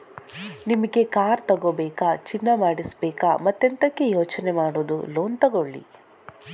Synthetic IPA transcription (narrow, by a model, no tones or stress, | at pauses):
nimɐɡe̞kaːɾt̪ɐɡoːbɛːkaːt͡ʃinːɐmaːɽisbɛːkaːmɐt̪ːent̪ɐkːejoːt͡ʃnemaːɽoːd̪ṵloːnt̪ɐɡoɭːḭ